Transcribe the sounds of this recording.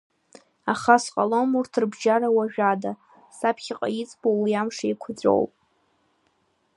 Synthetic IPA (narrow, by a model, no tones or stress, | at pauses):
aχasqʼalo̞murtʰɨrbʒaɾawaʒᶣada | sapʰχʲɪqʼa̰jit͡sʼbowijamʂaikʷʰʊd͡zʷʼo̰wpʼ